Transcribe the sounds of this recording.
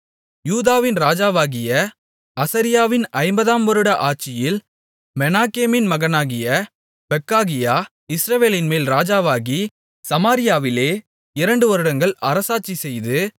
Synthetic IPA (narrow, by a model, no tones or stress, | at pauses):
juːðaːʋɪnɾaːd͡ʒaːʋaːɣɪjɐ | ɐsɐɾɪjaːʋɪnɐɪmbɐðaːmʋɐɾɯɽɐʔaːt͡ʃɪjɪl | mɛnaːkeːmɪnmɐɣɐnaːɣɪjɐ | b̥ɛkːaːɣɪjaː | ɪsɾɐʋeːlɪnmeːlɾaːd͡ʒaːʋaːɣi | sɐmaːɾɪjaːʋɪleː | ɪɾɐɳɖɯʋɐɾɯɽɐŋɡɐɭɐɾɐsaːt͡ʃːisɛjðɯ